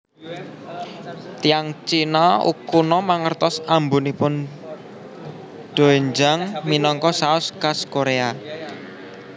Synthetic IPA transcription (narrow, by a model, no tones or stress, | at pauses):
t̪ijaŋt͡ʃinɔṵkunɔmaŋərt̪ɔsambunipʊn | ɖ̪̥o̤eɲd͡ʒaŋminɔŋkɔsaʊskaskoɾea